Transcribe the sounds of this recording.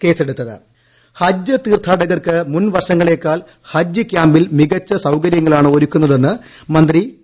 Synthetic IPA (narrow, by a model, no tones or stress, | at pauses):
ke̞ːseɽut̪ːɐðɨ̰ | hɐd͡ʑːɨt̪iːrt̪ʰaːɽɐɣɐrkɨmunʋɐrʂɐŋːɐɭe̞ːkːaːl | hɐd͡ʑːɨkʲjaːmbilmiɣɐt͡ɕːɐsɐwkɐɾjɐŋːɐɭaːɳɨo̞ɾukʲːunːɐðe̞nːɨ | mɐnd̪ri